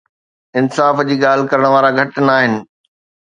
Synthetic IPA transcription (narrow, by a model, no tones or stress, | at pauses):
ɪnsaːfd͡ʑiːɠaːl̤ɪ̆kɐɾəɽ̃ʋaːɾaɡʱɐʈnaːɦɪnɪ̆